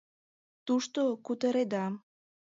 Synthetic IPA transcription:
t̪uʃt̪okut̪əɾed̪ɑ

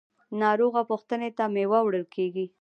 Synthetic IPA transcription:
nɑɾoɣapoxt̪ənet̪amewawɽəlkʰeɡi

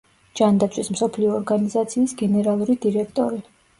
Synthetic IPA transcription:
d͡ʒand̪at̪sʰwismsɔpʰliɔːɾɡanizat̪sʰiːsɡɛnɛɾalˠuɾid̪iɾɛk̚ʰt̪ʼɔɾi

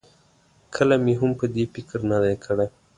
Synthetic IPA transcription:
kʰəlamiɦampəd̪efɪkɾnad̪ajkʰəɽe

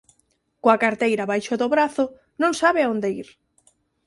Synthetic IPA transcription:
koakaɾt̪ejɾaβajʃoðoβɾaθo | nõŋsaβeaõnd̪eiɾ

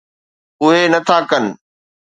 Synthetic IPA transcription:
ʊɦenɐt̪ʰakɐnɪ̆

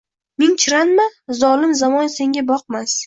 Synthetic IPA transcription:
mɪŋt͡ʃʰɪɾanmazɒlɪmzamɒnse̞ŋɡʲabɒq̚mas

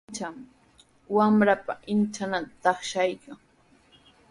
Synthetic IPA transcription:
t͡ʃam | wamɾapaɪnt͡ʃanat̪at̪ɑχʃajkaŋ

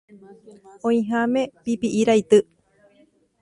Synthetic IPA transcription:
õĩɦãmẽpipiʔiɾajt̪ɨ

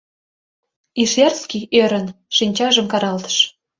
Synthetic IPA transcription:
iʃjɑrskiʔøɾə̆nʃinʲt͡ɕɑʒə̆mkɑɾɑlt̪ə̥̆ʃ

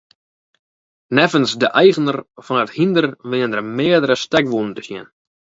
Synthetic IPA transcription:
nɛvənsdəʔɛjɣənərfɔnəthindərʋɪəndərmɪədəɾəstɛkʋun̩təsjɪ̰n

